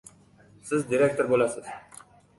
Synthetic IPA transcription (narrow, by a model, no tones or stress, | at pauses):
sɪzd̪iɾek̚t̪ʰoɾbolˠasɨz̥